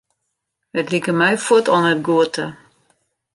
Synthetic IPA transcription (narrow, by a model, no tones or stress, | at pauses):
ətlikəmɛjfutʰɔnət̚ɡuətʰə